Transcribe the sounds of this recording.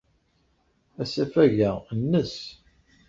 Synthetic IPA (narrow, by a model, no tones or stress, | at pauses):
æsæfæʝæənːəs